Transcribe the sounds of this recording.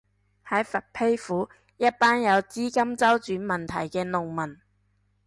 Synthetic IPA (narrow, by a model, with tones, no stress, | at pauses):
hɐ˨˥jfɐ˨˩t̚pʰe˥jfuː˨˥ | jɐ˥t̚paː˥njɐ˨˧wt͡siː˥kɐ˥mt͡sɐ˥wt͡ʃyː˨˥nmɐ˨˩nt̪ʰɐ̰˨˩jkɛː˧nʊ˨ŋmɐ˨˩n